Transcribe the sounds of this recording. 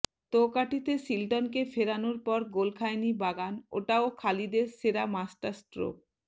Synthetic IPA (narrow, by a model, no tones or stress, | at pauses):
t̪okaʈit̪esilʈonkefeɾanoɾpɔɾɡolkʰajnibaɡano̰ʈaokʰalid̪eɾseɾamasʈaɾsʈɾo̰